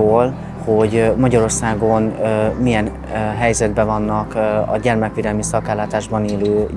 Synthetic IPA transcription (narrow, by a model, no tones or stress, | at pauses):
oːl | ho̞ɟmɒɟɒɾo̞rsaːɡo̞nmijɛn | ɦɛjzɛd̪bɛvɒnːɒkɒ̰ɟɛrmɛkʋeːd̪ɛlmisɒkaːlːaːt̪aːʒbɒneːløː